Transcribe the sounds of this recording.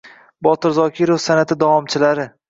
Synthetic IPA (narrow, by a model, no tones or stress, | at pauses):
bɒt̪ʰɪɾzɒkʲiɾofsanat̪ʰɪd̪avɒmt͡ʃʰɪlaɾɪ